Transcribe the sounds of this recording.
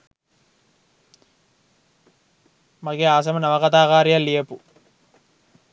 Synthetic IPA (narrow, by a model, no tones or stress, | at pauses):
mɐɡeaːs̬ɐmɐnɐʋɐkɐt̪aːkaːɾijɐlːijɐpu